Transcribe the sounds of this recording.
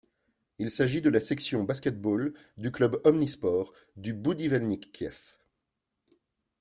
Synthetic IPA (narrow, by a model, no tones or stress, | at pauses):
ilsaʒid̪əlasɛksjɔ̃baskʲɛt̪̚bold̪yklœbɔmnispɔːʁ | d̪ybud̪ivɛlnikːjɛf